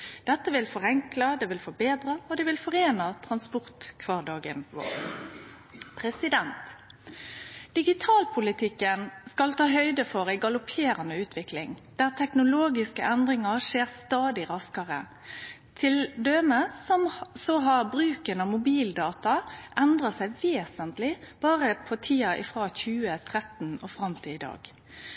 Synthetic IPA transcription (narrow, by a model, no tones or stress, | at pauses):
d̪̥ɛt̪ːəʋɪlfɔʁɛŋklɑd̪ɛʋɪlfɔbeːd̪ɾɑɔd̪ɛʋɪlfɔʁeːnɑt̪ʰɾɑnspɔʁt̪kʰʋɑːʁɖɑːɡə̰nʋo̰ːʁ | pʰɾɛsɪd̪ɛnt̪ | d̪̥ɪɡɪt̪ʰɑːlpʰʊlɪt̪ʰɪkːənskɑlt̪ʰɑːɦœʏd̪əfɔʁæɪɡɑlʊpʰeːɾɑnəʉːt̪ʰʋɪklɪ̰ŋd̪̥æːʁt̪ʰɛknʊloːɡɪskəʔɛnd̪ʁɪŋɑʁʂeːʁst̪ɑːd̪ɪʁɑskɑʁə | t̪ʰɪld̪øːməsɔmsɔɦɑʁbʁʉːkənɑʋmʊbiːld̪ɑːt̪ɑʔɛnd̪ʁəsæɪʋeːsənt̪lɪb̥ɑːʁəpʰɔt̪ʰiːɑʔɪfʁɑːçʉːət̪ʰʁɛt̪n̩oːfʁɑmt̪ʰɪɪd̪ɑ̰ːɡ̥